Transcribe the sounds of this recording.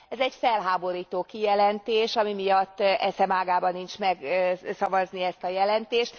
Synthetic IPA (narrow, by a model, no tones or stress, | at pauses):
ɛzɛɟfɛlɦaːbo̞ɾiːt̪oːkijɛlɛnt̪eːʃɒmimijɒt̪ːɛsɛmaːɡaːbɒnːint͡ʃmɛɡsɒvɒzniɛst̪ɒjɛlɛnt̪eːʃt̪